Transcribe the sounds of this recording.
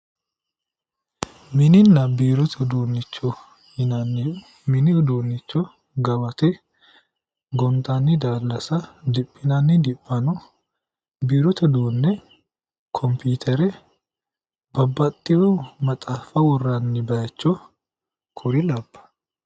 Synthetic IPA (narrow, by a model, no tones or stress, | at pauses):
mɪnɪnːɐbiːɾɔt̪ʰɛd̪uːnːɪt͡ʃːɔ | hɪnɐnːɪ | mɪnɪʊd̪oːnːɪt͡ʃːɔ | ɡɐbɐt̪ɛ | ɡɔnt̪ʼɐnːɪd̪aːlːɐsɐd̪ɪpʼːɪnɐnːɪd̪ɪpʼːɐnɔ | biːɾɔt̪ʰɛd̪uːnːɛ | kʰɔmpʰiːt̪ʰɛɾɛ | bɐbːɐt̪ʼːɪjɔmɐt̪ʼaːfɐwɔrːɐnːɪbɐjɐt͡ʃːɔ | kʰʊɾɪlɐbːɐ̥